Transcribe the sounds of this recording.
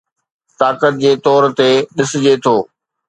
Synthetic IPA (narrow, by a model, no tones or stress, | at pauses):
t̪aːkət̪̚d͡ʑeːt̪ɔːɾt̪eɗɪsd͡ʑet̪ʰoː